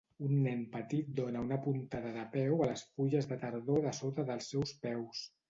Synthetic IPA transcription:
unːɛnpət̪it̪̚d̪onəunəpunt̪aðəðəpɛwələsfuʒəzðət̪əɾðoðəsot̪əðəlˠsːɛwspɛws

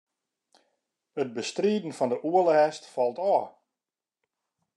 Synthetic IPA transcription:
ət̚bəstriːdən̩fɔndəʔuələɦɛstfɑlˠtɔː

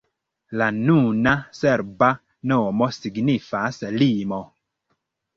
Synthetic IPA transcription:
lanunasɛɾba | nɔmɔsiɡnifaslimɔ

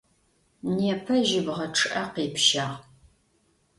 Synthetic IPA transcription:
neːpʰɐʒɪbʁɐʈ͡ʂʰɨʔɐqiːpʰʃaːʁ

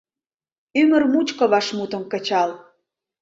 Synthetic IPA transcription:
ymə̆rmut͡ɕkə̆βɑʃmut̪ə̆mkə̆t͡ɕɑl

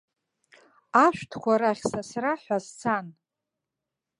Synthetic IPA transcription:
aʃʷᶣtʰkʷʰaɾaχʲsasraħʷazt͡sʰan

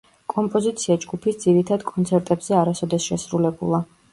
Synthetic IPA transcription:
kʼɔmpʼɔzit̪sʰiad͡ʒɡupʰisd̪z̥iɾit̪ʰad̪kʼɔnt̪sʰɛɾt̪ʼɛbz̥ɛaɾasɔd̪ɛsʃɛsɾulɛbṵlˠa

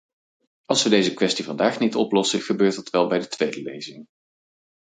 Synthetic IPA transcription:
ɑlˠsʋədejzəkʋɛstivɑndaːχnitɔplɔsəχəbøːɹtɑtʋɛlˠbɛjdətʋejdəlḛjzɪŋ

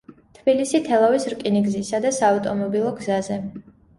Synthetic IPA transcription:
t̪ʰb̥ilisit̪ʰɛlˠavisɾkʼiniɡzisad̪asaːvt̪ʼɔmɔbilˠɔɡzazɛ

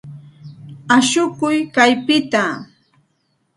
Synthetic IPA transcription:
aʃʊkʊjkajpɪt̪a

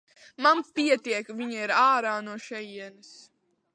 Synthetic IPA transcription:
manpʲiɛt̪iɛkvʲiɲaiɾaːɾaːnuɔʃɛjiɛnɨs

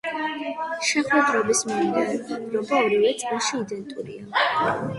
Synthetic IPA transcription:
ʃɛχɛd̪ɾɔbismiɛdɛɾɔɡaɔɾilɛt̪sʼilˠʃiːd̪ɛnt̪ʼuɾḭa

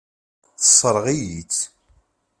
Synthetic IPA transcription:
θə̥sˤːəɾˤʁijit͡sː

